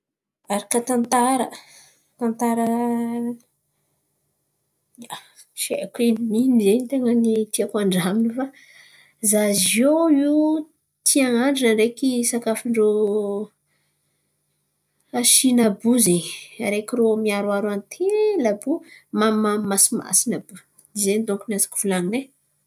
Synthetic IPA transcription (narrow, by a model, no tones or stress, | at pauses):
aɾakat̪ant̪aɾə̰ | t̪ant̪aɾə | a | ʃekeniminizenit̪eŋənit̪iakaɳɖ͡ʐaminifa | zazoi | t̪ʰiaŋaɳɖ͡ʐinəɾekisakafiɳɖ͡ʐo | aʃinabuzeɲɾekiɾomiaɾwaɾanit̪ʰelabumaamasima̰sinabu | d̪izenid̪oŋkunazḁki̥v̥ulaŋine